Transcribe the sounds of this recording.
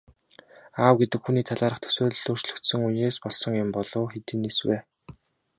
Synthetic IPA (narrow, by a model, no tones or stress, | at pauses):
aːwɡet̪ɘ̆kxuniːt̪ʰaɮaːɾə̆χt̪ʰœ̥sʊːɮɮɵːr̥t͡ɕɮɵ̆kt̪sɵ̆ŋuneːspɔɮsɞ̆ŋjʊmpɔɮʊːxet̪iːneswæː